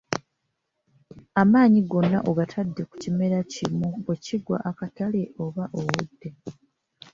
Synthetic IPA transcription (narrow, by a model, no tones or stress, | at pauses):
amaːɲiɡo̞nːaʔoɡatʰadːe̞ku̥cime̞ɾacimueciɡwa̰ʔːkataleʔo̞βaʔowudːe̞